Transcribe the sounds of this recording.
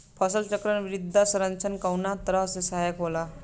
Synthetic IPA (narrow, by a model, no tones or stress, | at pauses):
pʰʌsʌlt͡ʃʌkɾʌnbɾid̪ʱːasʌɾʌnt͡sʰʌnkawnat̪ʌɾʌsesajʌkɦola